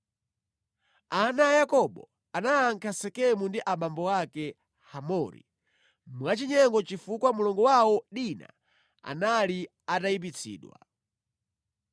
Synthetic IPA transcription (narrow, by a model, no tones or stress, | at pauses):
anajakɔɓɔ̰ | anaːŋkʰasɛkɛmundiʔaɓambɔwakɛ | hamɔɾḭ | mwat͡ʃiɲɛŋɡɔt͡ʃifukwamulɔŋɡɔwawɔɗina̰ | a̰nali | ataip̬it͡sʰḭːɗwa̰